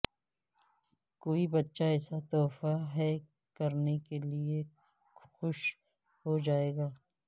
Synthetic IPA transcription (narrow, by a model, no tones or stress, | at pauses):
koːibɐtːʃaɛːsat̪ɔːfaɦɛ | kɐɾnekelie | xʊʃ | hod͡ʒaːeːɡaː